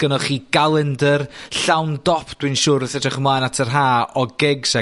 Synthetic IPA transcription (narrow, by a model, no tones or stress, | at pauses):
ɡ̥ənɔχiːɡ̥alˠəndərɬawndɔpʰd̥winʃʊːɾəθɛdaχmlˠaːnatʰərɦaːɔɡɛɡsɛ